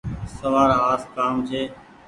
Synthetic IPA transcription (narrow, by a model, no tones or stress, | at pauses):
səʋaːɾaːaːskaːmt͡ʃʰeː